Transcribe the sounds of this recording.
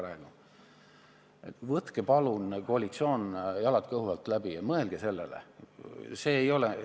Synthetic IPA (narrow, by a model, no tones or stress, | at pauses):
ɾɑɡu | vɤt̪kepɑlunkoɑlit̪sio̞ːnjɑlɑd̪̥kɤhuvɑlt̪ːlæb̥ijɑmɤe̞lɡ̥ese̞lːḛlḛ | se̞ːjo̞le